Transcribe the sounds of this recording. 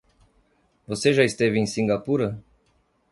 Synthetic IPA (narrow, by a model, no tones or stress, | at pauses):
voseʒaist̪evinsiŋɡapuɾə